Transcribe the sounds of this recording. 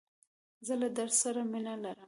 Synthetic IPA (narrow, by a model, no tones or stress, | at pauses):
zəlad̪aɾsaɾaminalaɾəm